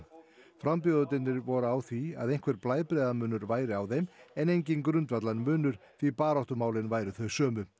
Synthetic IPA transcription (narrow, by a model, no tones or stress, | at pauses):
fɾamp̬jɔðʏt̪ɪnːɪɾvɔɾʏawθvia̰ðejnkʰvɛɾplaːjðpɾɛːðamʏːnʏɾvaːjɾɪawðejmɛnejɲcɪnkɾʏnt̪vat̪lanmʏːnʏɾ̥ | θipaːɾaht̪ʏmaːwlɪnvaːjɾʏθœɥsœːmʏ